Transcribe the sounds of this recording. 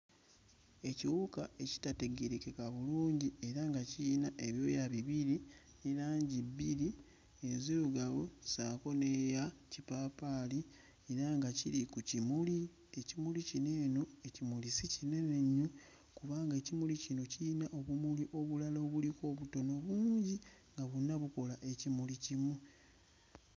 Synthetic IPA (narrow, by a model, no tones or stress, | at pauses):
e̞ciwukae̞ci̥tate̞ɡeɾekekaβuluːɲɟie̞ɾaŋɡaciːnaʔe̞βjo̞jaβiβiɾi | nelaːɲɟibːiɾi | eziluɡaβosaːko̞nejacipaːpaːli | e̞ɾaŋɡacilikucimuli | e̞cimulicine̞ːnoecimulisicineneɲːu | kuβaːŋɡecimulicino̞ciːnaʔo̞βumuliʔo̞βulaloːβuliko̞ːβuto̞no̞βuːɲɟi | ŋɡaβunːaβuko̞laʔe̞cimulicimu